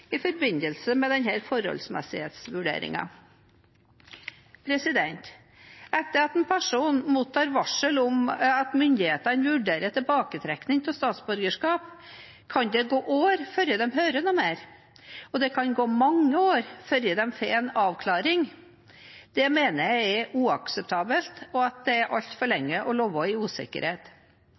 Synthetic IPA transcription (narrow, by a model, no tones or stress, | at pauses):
ɪfɔɾbɪnəlsəmɛd̪ɛnɦæːɾfɔɾhɔ̰lsmɛ̰sɪhḛːt̪sʋʉɖḛːɾɪ̰ŋɑ̰ | pʰɾɛsɪd̪ɛnt̪ | ɛt̪ːəɾɑt̪ɛnpʰæʂuːnmuːt̪ʰːɑːɾʋɑʂəlʊmɑt̪mʏnd̪ɪheːt̪ənʋʉɖeːɾəʈ̪ʰɪbɑːkət̪ʰɾɛknɪŋt̪ʰɪlst̪ɑːt̪sbʉɾɡəʂkɑːp | kʰɑnd̪ɛɡoːʔoːɾfœɾjəd̪ɛmɦœːɾənɔmeːɾ | ɔd̪ɛkʰɑnɡoːmɑŋːəoːɾfœɾjəd̪ɛmfeːɛnɑːʋkʰlɑːɾɪŋ | d̪̥ɛmeːnəjæɪɛuːɑksɛp̚t̪ʰɑːbəlt̪ɔɑt̪̚d̪ɛæɾʔɑʎt̪fɔɭɛŋːəʔɔloːʋɔɪuːsɪ̰kːə̰ɾheːt̪